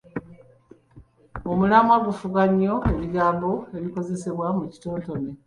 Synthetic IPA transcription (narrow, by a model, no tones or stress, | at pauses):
omulamwaɡufuɡaɲːo̞e̞βiɡaːmbo̞e̞βiko̞ze̞se̞βwamuci̥to̞ːnto̞ne